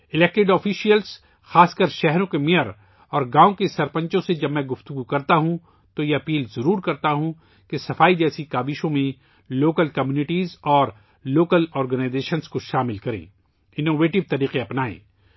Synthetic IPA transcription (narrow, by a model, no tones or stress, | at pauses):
ɪlɛk̚ʈɪɖɔːfiʃijəls | xaːskəɾʃɛɦɾõkemeəɾ | ɔːɾɡãːõkesɐɾpə̃ɲt͡ʃõsed͡ʒɐbmɛ̃ɡʊft̪ʊɡukɐɾt̪aɦũ | t̪ojeɐpiːlzɐɾuːɾkɐɾt̪aɦũ | kesɐfaːid͡ʒɛːsikaːbɪʃõmẽ | loːkəlkɐmjuːnɪʈiːzɔːɾ | loːkəlɔːɾɡənaːɪzeːʃənskoʃaːmɪlkɐɾḛ̃ː | ɪnoːʋeːʈɪʋt̪ɐɾiːqeɐpnaːḛ̃ː